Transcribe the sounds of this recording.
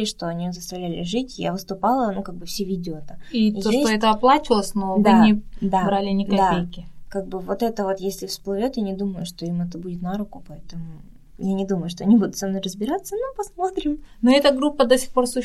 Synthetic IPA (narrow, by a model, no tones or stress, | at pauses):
ɪʂt̪oɐnʲijzəst̪ɐvlʲælʲɪ̰ʐɨtʲja̰vɨst̪ʊpalˠənokaɡ̚bɨfsʲevʲidʲɪot̪əiizodʲesʲɛt̪əɐplˠat͡ɕɪlˠəsʲnod̪anʲɪd̪abɾalʲɪnʲɪkɐd̪paejkʲɪkaɡ̚bɨvo̞t̪ɛt̪əvo̞t̪jesʲlʲɪfsplˠɨvʲo̞t̪janʲɪd̪uməjʊʂt̪o̞imɛt̪əbudʲɪt̪naɾʊkʊpɐɛt̪əmʊ | janʲɪd̪uməjʊʂt̪o̞ɐnʲibud̪ʊt̪sɐmno̞jrəzbʲɪɾat̪sːənopɐsmo̞t̪ɾʲɪmnoɛt̪əɡɾupːəd̪osʲɪ̥xpo̞rsu